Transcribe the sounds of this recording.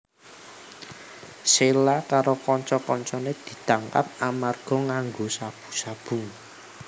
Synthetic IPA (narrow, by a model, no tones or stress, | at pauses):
selakaɾokɔɲt͡ʃɔkɔɲt͡ʃɔned̪̥i̤t̪aŋka̰p̚amarɡ̥ɔ̤ŋaŋɡosab̥ṳ̥sab̥ṳŋ